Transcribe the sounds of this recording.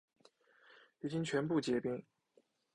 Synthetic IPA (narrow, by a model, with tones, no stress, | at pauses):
y˧˩t͡ɕi˥nt͡ɕʰɥɛ˧˥npu˥˩t͡ɕjɛ˧˥pi˥ŋ